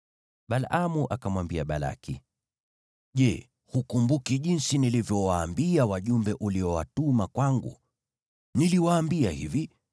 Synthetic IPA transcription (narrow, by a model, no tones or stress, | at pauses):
ɓalʔamuʔakamwambiaɓala̰kḭ | ʄɛ | hukumbukiʄinsinilivjɔwaːmbiawaʄumbɛʔuliɔwatumakwaŋɡṵ | niliwaːmbiahivi